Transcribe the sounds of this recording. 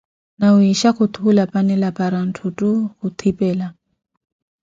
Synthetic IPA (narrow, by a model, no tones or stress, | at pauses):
nauiʃakut̪ʰuulapʼanilapaɾan̩tʰutukut̪ʰipʼɛla